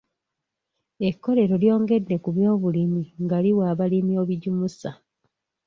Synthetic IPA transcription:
e̞kːo̞le̞ɾo̞ljo̞ːŋɡe̞dːe̞kuβjo̞ːβulimiŋɡaliwaːβalimjoːβiɟumusa

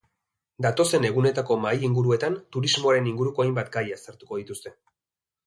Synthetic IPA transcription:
d̪at̪o̞se̞ne̞ɣune̞t̪ako̞majiŋɡuɾue̞t̪ant̪uɾizmo̞aɾe̞niŋɡuɾuko̞ajmbat̪ɡajasaɾt̪u̥ko̞ð̞it̪ust̪e̞

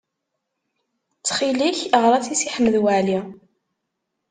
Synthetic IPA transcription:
t͡sːχiliçʁɾˤæt͡sisiħəmːəðwaʕli

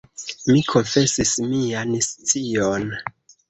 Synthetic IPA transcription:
mikʰo̞nfe̞sismianst͡sion

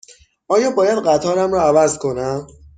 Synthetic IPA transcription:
ʔɒːjɒːbɒːjæd̪ɢæt̪ʰɒːɾæmɾɒːævæzkʰo̞næm

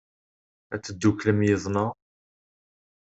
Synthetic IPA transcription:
æt͡sːəd̪ːukləmjiðˤnɑ

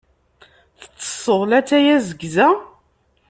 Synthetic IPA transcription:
θə̥t͡sːə̥sˤəʁlæt͡sːæjæzəɡzæ

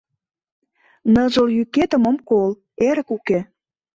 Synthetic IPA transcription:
nə̆ʒə̆ljyket̪ə̆mə̆mkol | eɾə̆kuke

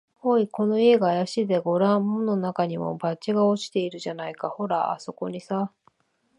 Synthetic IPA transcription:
hoiko̞no̞ie̞ɡaːjaɕid̪e̞ɡo̞ɾãmono̞nakaɲ̟imo̞̰bat͡ɕiɡao̞t͡ɕi̥t̪e̞iɾɯ̟ʑanaikaho̞ɾa̰a̰so̞ko̞ɲ̟isa

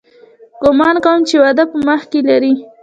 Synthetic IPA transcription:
ɡ̥ʊmɑnkawəmt͡ʃewad̪apəməxkelaɾi

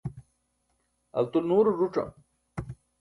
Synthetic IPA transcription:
ɐ̰lt̪unuːɾɾuʈ͡ʂɐ̰m

